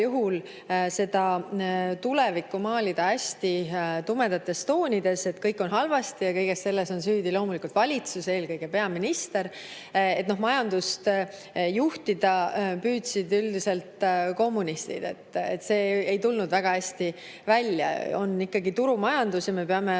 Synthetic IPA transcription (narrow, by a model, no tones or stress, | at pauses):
juɦul | se̞d̪̥ɑ | t̪ule̞vikːˑumɑːlid̪̥ɑæsʲt̪it̪ume̞d̪ɑt̪ːˑe̞st̪o̞ːnʲid̪e̞se̞t̪kɤjkːˑo̞nɦɑlvɑst̪ijɑkɤjɡ̥esse̞lːe̞so̞nsyːd̪ilo̞ːmulikult̪vɑlʲit̪suse̞ːlkɤjɡ̥e̞pe̞ɑminist̪e̞ɾ | e̞t̪no̞ɦmɑjɑnd̪̥ust̪ | juht̪id̪ɑpyːt̪sid̪yld̪ise̞lt̪ko̞mːunist̪ḭd̪̥e̞̰t̪ːˑet̪ːˑse̞ːejt̪ulnud̪væɡ̥ɑæsʲt̪i | vælʲjɑ̰o̞̰nːikːɑɡit̪uɾumɑjɑnd̪usjɑme̞peɑme̞